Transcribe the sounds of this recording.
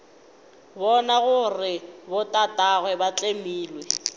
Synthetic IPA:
bɔnaɣʊrɪbʊtʼatʼaɣwɛbat͡ɬʼemiːlwɛ

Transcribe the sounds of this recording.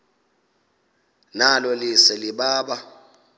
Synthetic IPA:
nalɔlisɛliɓaːɓa

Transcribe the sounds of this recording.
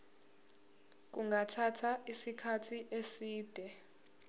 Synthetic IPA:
k̬ʼuŋʱatʰatʰaʔisikʰatʰiʔesiːd̥ʱɛ

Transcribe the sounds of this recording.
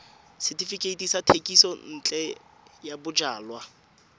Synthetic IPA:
sɪtifikʼeitʼisatʰekʼisɔn̩ːt͡ɬʼɛ | jabʊd͡ʒaːlwa

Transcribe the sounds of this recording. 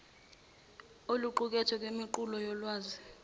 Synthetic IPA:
oluǃuk̬ʼɛtʰɛk̬ʼwemiǃulɔjɔlwaːzi

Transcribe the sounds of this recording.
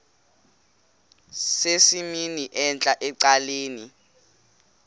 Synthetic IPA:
sesiminiʔɛnt͡ɬʼaʔɛǀaleːni

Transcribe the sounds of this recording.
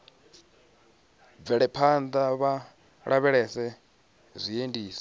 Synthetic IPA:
b̪vɛɺɛpʰand̪aβa | ɺaβɛɺɛsɛ | zʷiendiːsɛ̥

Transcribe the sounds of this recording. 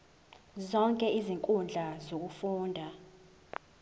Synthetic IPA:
zɔŋkʼɛiziŋkʼund͡ɮʱazok̬ufuːndʱa

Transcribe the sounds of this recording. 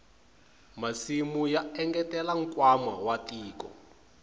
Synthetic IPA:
masimujaɛŋɡɛtɛlaŋ̩kwama̰watʼiːkɔ̰

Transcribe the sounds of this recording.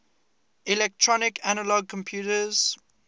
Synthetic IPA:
ilɛk̚tʰɹɔnɪkʰanəlɔɡ̚kʰɔ̃mpʰjuːtəz̥

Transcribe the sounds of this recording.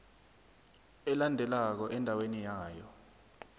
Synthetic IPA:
ɛlandʱɛlak̬ɔʔɛndʱawenijaːjɔ̰

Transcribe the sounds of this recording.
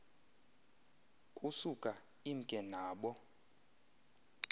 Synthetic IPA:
kʼusukʼa | iŋ̩kʼɛnaːɓɔ

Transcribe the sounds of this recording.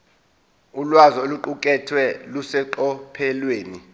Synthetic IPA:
ulwazɔoluǃuk̬ʼɛtʰwɛlusɛǃɔpʰɛlweːni

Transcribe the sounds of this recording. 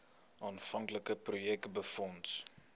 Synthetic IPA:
ʔɑːnfɐŋkləkəprojɛk̚tbəfɔnt

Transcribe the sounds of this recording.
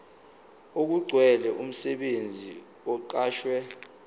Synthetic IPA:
ok̬uɡ͡ǀʱwɛlɛʔum̩sɛɓend͡zʱḭ | ɔǃaːʃwɛ

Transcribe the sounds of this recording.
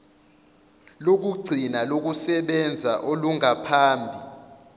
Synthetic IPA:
lok̬uɡ͡ǀʱinalok̬usɛɓɛnd͡zʱaʔoluŋapʰaːmbʱi

